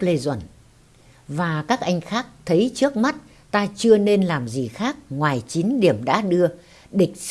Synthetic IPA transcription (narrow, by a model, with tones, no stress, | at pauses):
le˧zwə̰˧˩n | vaː˨˩kaː˦˥k̚ʔa˧jŋ̟xaː˦˥k̚t̪ʰə˨˦jt͡ɕɨ˦˥ək̚ma˦˥t̚ | t̪aː˧t͡ɕɨ˧əne˧nlaː˨˩mzi˨˩xaː˦˥k̚ŋwaː˨˩jt͡ɕi˨˦nɗi˧˩əmɗa̰ː˧˥ɗɨ˧ə | ɗï˨˩k̟̚